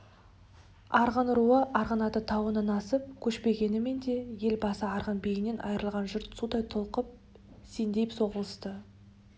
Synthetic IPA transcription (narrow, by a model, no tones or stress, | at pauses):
ɑɾʁənɾuəʔɑɾʁənɑt̪ət̪ʰɑwənənɑsəp̚kʲʰɵʃpe̞ɡʲe̞nɪme̞nd̪e̞je̞lbɑsəɑɾʁənbe̞jɪne̞nʔɑ̰jəɾəlˠʁɑnʒʏɾt̪sud̪ɑjt̪ʰolˠqəp̚ | se̞nd̪e̞pso̞ʁəlˠəst̪ə